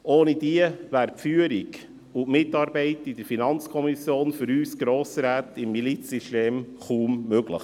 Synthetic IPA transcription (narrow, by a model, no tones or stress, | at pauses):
oːnid̥̪iəvæːɾpfyːəɾiɡ | ʊmɪtɑːɾbɛɪtid̪əɾfinɑnt͡skʰɔmisjoːnfʏɾyːsɡ̥ɾoːsəɾæːt̪ɪmːilit͡ssiʃteːmχuːmːøɡlə̰χ